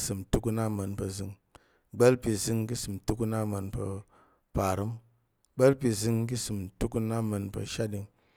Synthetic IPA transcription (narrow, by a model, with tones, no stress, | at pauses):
sɨ˨mtu˦ku˧na˦ma˧npɐ˧zi˨˧ŋ | ɡ͡be˦lpi˧zi˧ŋki˦sɨ˨mtu˦ku˧na˦ma˧npɐ̰˧ | pa˨ɾɨ˦m | ɡ͡be˦lpi˧zi˧ŋki˦sɨ˨mtu˦ku˧na˦ma˧npɐ̰˧ʃa˦ɗi˧ŋ